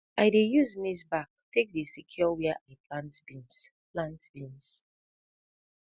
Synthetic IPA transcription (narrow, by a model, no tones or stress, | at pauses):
aɪdejuzmis̬bak̚tek̚desikʰjɔwɛaʔapʰlãntbĩns | plãntb̥ĩns